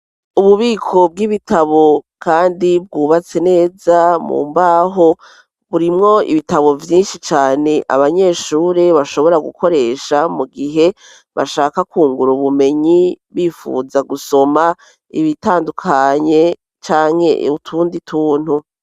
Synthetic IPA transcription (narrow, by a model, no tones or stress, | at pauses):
uβuβiːkʰo̞b̚ɡiβitʰaβo̞ | kaːndib̚ɡuːβat͡se̞ne̞ːzamṵːmbaːɦo̞ | βuɾimŋo̞ḭβitaβo̞vjiːnʃit͡ʃaːne̞ʔa̰βaɲe̞ːʃuːɾe̞βaʃo̞βo̞ɾaɡṵkʰo̞ɾe̞ːʃamuɡiɦe̞ | βa̰ʃaːkakuːŋɡuɾuβume̞ɲiβiːfṵːzaɡuso̞ma | ḭβitaːndukʰaɲe̞ | t͡ʃaːŋ̥he̞̰utʰuːnditʰuːn̥hu